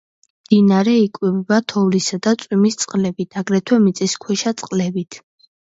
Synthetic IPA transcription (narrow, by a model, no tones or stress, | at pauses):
md̪̥inaɾɛikʼwibɛbat̪ʰɔvlisad̪at̪sʼwimist̪sʼqʼlɛbit̪ʰaɡɾɛt̪ʰwɛmit̪sʼiskʰwɛʃat̪sʼqʼlɛbit̪ʰ